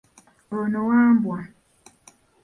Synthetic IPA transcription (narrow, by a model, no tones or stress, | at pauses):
ɾonowambwa